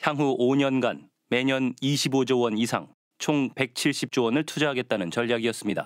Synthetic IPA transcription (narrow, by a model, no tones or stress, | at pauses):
çjaŋɦuʔoɲʌnɡan | me̞ɲʌniɕʰibod͡ʑowʌnisʰa̰ŋ | t͡ɕʰoŋpe̞k̚t͡ɕʰiɭɕ͈ip̚t͡ɕ͈owʌnɯɭtʰud͡ʑaɦaɡe̞t̚t͈anɯnt͡ɕʌʎːjaɡiʌs͈ɯmɲida̰